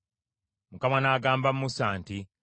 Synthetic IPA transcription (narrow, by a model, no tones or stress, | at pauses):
mukamanaːɡaːmbamːusaːnti